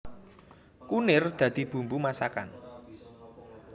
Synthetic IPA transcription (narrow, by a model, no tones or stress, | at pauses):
kunɪrd̪̥ä̤d̪̥i̤b̥ṳmbumasaka̰n